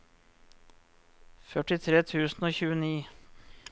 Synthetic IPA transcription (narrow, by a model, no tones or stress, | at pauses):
fœʈɪt̪ʰɾeːt̪ʰʉːsn̩oːçʉːəniː